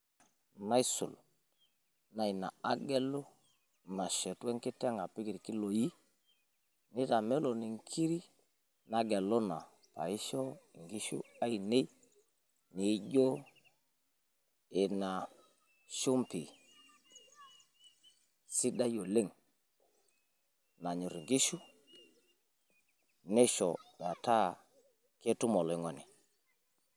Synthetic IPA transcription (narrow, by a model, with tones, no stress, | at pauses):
na˦i˦sṵ˨l | na˨i˨na̰˨a˦ɡɛ˦lo˦ | na˨ʃɛ˨tɛ˦ŋki˦tɛ˦ŋa˨pi˦ki˨ɾki˦lo˨ji˦ | ni˦ta˨mɛ˦lo˨ni˨ŋkʰi˦ɾi˦ | na˨ɡɛ˨lo˦na̰˨ | pa̰˨i˦ʃɔ˦˨ŋɡi˦ʃṵ˦a˦ji˨ne˦ | ni˨˦ɟo˦ | e˨na˨ | ʃu˦mpi˨ | si˦da˦jo˨le˦ŋ | na˨ɲu˨ɾi˨ŋɡi˦ʃu˦ | ne˦ʃɔ˨ba˨ta˦ | ke˦tu˦mɔ˨lɔ˨i˦ŋɔ˨ni˨